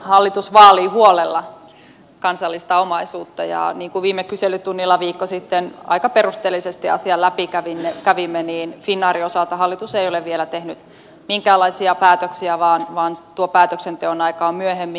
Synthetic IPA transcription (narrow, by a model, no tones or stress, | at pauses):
hɑlːit̪usʋɑːliːhuolelːɑ | kɑnsɑlːist̪ɑomɑisuːt̪ːɑjɑ̰niːŋkuʋiːmekyselːˑyt̪unːilːɑʋiːkːosit̪ːenɑ̰ikɑperust̪eːlːisest̪iɑ̰siɑlæpikæʋinːekæʋimːeniːnfinːɑːɾiosɑlt̪ɑɦɑlːit̪useioleʋʋielæt̪ehnyt̪ | miŋkæːlːɑisiɑpæːt̪øksiæʋɑːnʋɑːnt̪uopæːt̪øksent̪eonɑikɑːmmyøhemːi